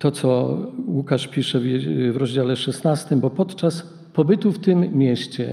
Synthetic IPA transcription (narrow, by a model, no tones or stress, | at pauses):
t̪ɔt̪sɔwukaʂpʲiʂɛvvɾɔʑd͡ʑalɛʂɛsnast̪ɘmbɔpɔt̪t͡ʂas | pɔbɘt̪uft̪ɘmːʲjɛɕt͡ɕɛ̰